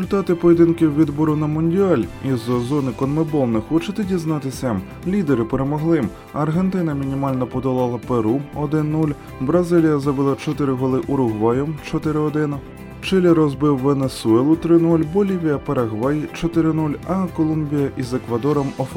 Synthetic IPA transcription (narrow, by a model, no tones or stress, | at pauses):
ʊlʲt̪ɑt̪ɪpɔjed̪ɪnkɪwʋʲid̪bɔɾʊnɐmʊnʲdʲiɑlʲizzɔnɪkɔnmebɔlˠnɛxɔt͡ʃɪt̪ɪdʲiznɑt̪ɪsʲɐ | lʲid̪eɾɪpeɾemɔɦlˠɪm | ɐrɦent̪ɪnɐmʲinʲimɑlʲnɔpɔd̪ɔlˠɑlˠɐpeɾuɔd̪ɪnːulʲ | bɾɐzɪlʲijɐzɔbɪlˠɑt͡ʃɔt̪ɪɾɪɦɔlˠɪʔʊɾʊɦʋɑjɔmt͡ʃɔt̪ɪɾɪɔd̪ɪnɐ | t͡ʃɪlʲɛɾɔzbɪwːenesʊɛlˠʊt̪ɾɪnulʲbɔlʲiʋʲijɐpɐɾɐɦʋɑjt͡ʃɔt̪ɪɾɪnulʲɐkɔlˠumbʲijɐʔizekʋɐd̪ɔɾɔmɔf